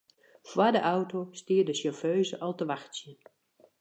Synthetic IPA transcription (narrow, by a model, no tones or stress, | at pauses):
fwadəʔawtostiːədəsəføːzəʔɔlˠtəʋaxtsjə